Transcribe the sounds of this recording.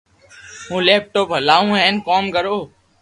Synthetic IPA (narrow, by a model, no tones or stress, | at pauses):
ɦũːleːp̚ʈoːpɦəlaːũːɦɛ̃ːnkoːmkəɾoː